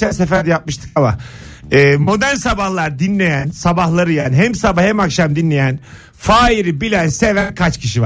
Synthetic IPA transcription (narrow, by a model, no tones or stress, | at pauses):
ænsefæɾd̪ɛjap̚mɯʃt̪ʰɯ̥kamaɛːmo̞d̪æɾnsabahlˠaɾd̪inlʲe̞jænsabahlˠaɾɯjaːniɦɛmsabahɛmakʃamd̪inlʲe̞jæn | faːiɾibilʲænse̞vænkʰat͡ʃcʰiʃiva